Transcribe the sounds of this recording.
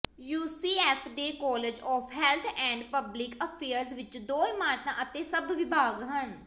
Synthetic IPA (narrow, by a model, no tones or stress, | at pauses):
juːsiːɛːpʰd̪eːkɔːlɪd͡ʒɔːpʰɦɛːlt̪ʰɛ̃ːɳɖpəblɪkəpʰeːəɾzʋɪt͡ʃd̪oːimaːɾt̪ãːʔət̪eːsəbʋɪbʱaːɡɦən